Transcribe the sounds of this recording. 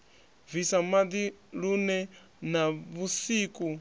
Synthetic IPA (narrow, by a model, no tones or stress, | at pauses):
visamad̪iɺunɛ | naβusiːkʼu